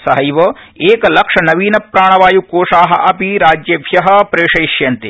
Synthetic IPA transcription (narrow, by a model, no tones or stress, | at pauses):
sɐɦɐjʋɐ | eːkɐlɐkʂɐnɐʋiːnɐpɾaːɳ̃ɐʋaːjukoːʂaːɦɐ̆ʔɐpiɾaːd͡ʒjɐbʱjɐɦɐ̆pɾeːʃɐjʃjɐnt̪i